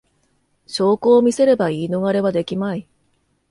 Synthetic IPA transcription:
ɕo̞ːko̞ːmʲise̞ɾe̞baiːno̞ɡaɾe̞βad̪e̞kʲimai

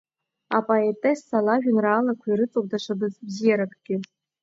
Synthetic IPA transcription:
a̰pʼoetʼesːalaʒᶣʊnraːlakʷʰairɨt͡sʼowk̚ʼdaʂʷʰabɨzbzijaɾakʼɡ̥ʲɪ

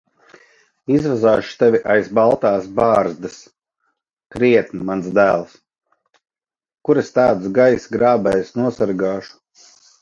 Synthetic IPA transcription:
izvazaːʃu̥t̪ɛvʲiʔajzbalˠt̪aːsbaːɾzd̪ɨs | kɾiɛt̪nimansd̪æːlˠs | kuɾest̪aːd̪sɡajsɡɾaːbɛjsnuɔsaɾɡaːʃu̥

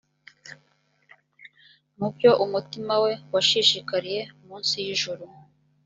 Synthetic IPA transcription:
nub̚jo̞ʔumutimawe̞waʃiʃikaɾije̞muːnsijiʒuɾu

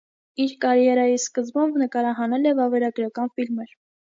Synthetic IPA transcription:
iɾkɑɾjɛɾɑjiskəzmumbnəkɑɾɑɦɑnɛlɛvɑvɛɾɑɡɾɑkɑnfilməɾ

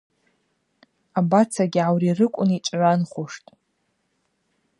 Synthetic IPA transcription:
abat͡sʰaɡʲʕawrirɨkʷʼʊnit͡ʃʷʼʕʷanχʊʂtʼ

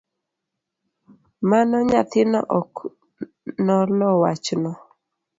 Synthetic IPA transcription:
manɔɲat̪ɪnɔ̰ʔɔk | nɔlɔwat͡ʃnɔ

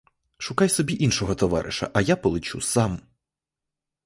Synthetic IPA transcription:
ʃʊkajsɔbʲiʔinʃɔɦɔt̪ɔʋɑ̰ɾʔɪ̰ʃɐ̰ʔɐjapɔlˠɪt͡ʃusɑm

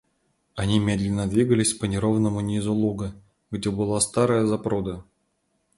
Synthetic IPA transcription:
anʲimʲed̪lʲɪnːəd̪vʲiɡəlʲɪsʲpənʲɪɾovnəmunʲizulˠuɡə | ɡdʲebɨlˠast̪aɾəjəzapɾod̪ə

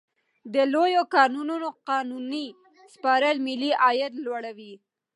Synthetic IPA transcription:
d̪əlojokɑnununoqɑnuni | spɑɾəlmɪliʔɑjat̪lwaɽawi

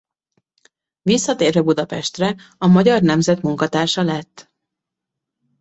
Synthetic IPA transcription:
visːɒt̪eːrvɛbud̪ɒpɛʃt̪rɛɒmɒɟɒrnɛmzɛt̪muŋkɒt̪aːrʃɒlɛt̪ː

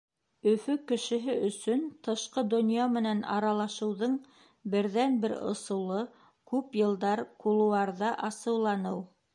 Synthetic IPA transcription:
ɵ̆fɵkɘ̆ʃɘ̆ɦɘɵ̆sɵnt̪ɤ̆ʃqɤd̪ŏnjɑmɘ̆nænɑ̰ɾɑlˠɑʃɤ̆wðɤɴ | bɘ̆ɾðænbɘɾŏ̰sɤ̆wlˠɤ | kʉpjɤ̆lˠd̪ɑɾqulˠuwɑɾðɑʔɑsɤ̆wlˠɑnɤw

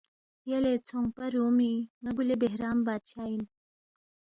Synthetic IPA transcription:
jɐlet͡sʰoŋpɐɾoːmiŋɐɡulebeɦɾaːmbaːt̪̚t͡ɕʰaːjin

